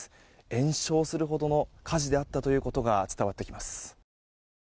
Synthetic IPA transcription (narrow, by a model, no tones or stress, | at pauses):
ẽ̞ɰ̃ɕo̞ːsɨɾɯ̟ɦo̞d̪o̞no̞kʰaʑid̪e̞at̪ːat̪o̞jɯ̟ːko̞t̪o̞ɡat͡sɨ̥t̪aβat̪ːe̞kʲimasɨ̥